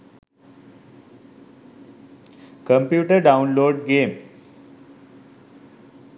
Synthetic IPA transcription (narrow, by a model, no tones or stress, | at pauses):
kəmpjuʈəɾɖaunloɖɡem